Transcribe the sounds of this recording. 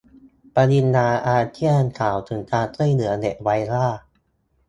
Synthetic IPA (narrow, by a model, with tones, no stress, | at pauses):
pa˧ni˧nːaː˧ʔaː˧t̪ʰi˥˩ənkʰaː˩˦wt̪ʰɯ˩˦ŋt̪aː˧t̪ɯ˥˩˨jnɯ˩˦ɐne˨˩wa˧jɾaː˥˩